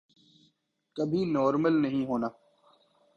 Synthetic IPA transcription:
kəbʱinɔːɾməlnɐɦĩɦoːnaː

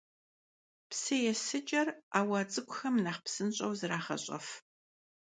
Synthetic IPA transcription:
psɨjɛsɨt͡ʃʼɐraːwɐt͡sʼɨkʷʼʊxɐmnaːχpsɨnɕʼɐwzɨraːχɐ̰ɕʼɐ̰f

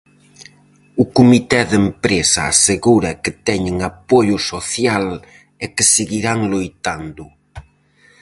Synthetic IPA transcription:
ʊkumit̪ɛðempɾesɐ̰a̰seɣuɾɐkɪt̪ɛɲɪŋapoʎʊsoθjal | ɛkɪseɣiɾaŋlojt̪and̪ʊ

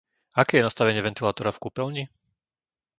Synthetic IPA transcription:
akɛːjɛnast̪aʋɛɲɪɛʋɛnt̪ilaːt̪ɔɾafkupɛlɲi

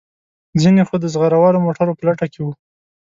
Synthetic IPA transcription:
zinexod̪əzɣaɾawɑlomoʈaɾopəlaʈakewu

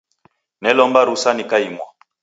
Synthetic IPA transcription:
nɛlɔmbaɾusanikaimwa

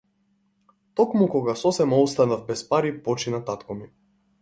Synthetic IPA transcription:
t̪ɔkmukɔɡasɔsɛmaɔst̪anavbɛspaɾipɔt͡ʃinat̪at̪kɔmi

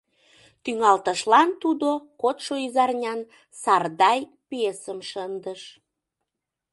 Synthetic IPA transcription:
t̪yŋɑlt̪əʃlɑnt̪ud̪okot̪ʃoizɑrnʲɑn | sɑrd̪ɑj | pesəmʃənd̪əʃ

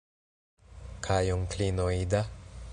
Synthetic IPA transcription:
kʰajuŋklinoid̪a

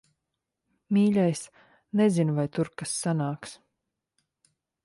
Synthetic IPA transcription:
mʲiːlʲajs | nɛzinvajt̪uɾkasːanaːks

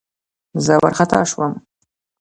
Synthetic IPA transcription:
zawa̰rχatʰa̰ːʂwam

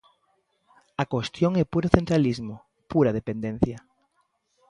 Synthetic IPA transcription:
akost̪joŋɛpuɾoθent̪ɾalizmo | puɾɐð̞epend̪en̟θjɐ

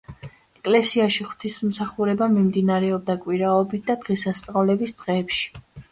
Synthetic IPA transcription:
ɛkʼlɛsiaʃiχwt̪ʰism̩saχuɾɛbamimd̪inaɾɛɔb̚d̪akʼwiɾaɔbit̪̚ʰd̪̥ad̪̥ʁɛsast̪sʼavlɛbisd̪̥ʁɛːpʃi̥

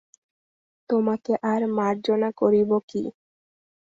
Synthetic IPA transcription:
t̪omakeʔaɾmaɾd͡ʑonakoɾibokḭ

